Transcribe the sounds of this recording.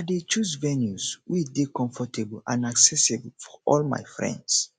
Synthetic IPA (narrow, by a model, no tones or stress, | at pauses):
adet͡ʃusvɛnjuzwidekɔ̃ɱfɔtʰeblãnaksɛsibl̩fɔʔɔlma̰ɪfɹɛ̰̃nds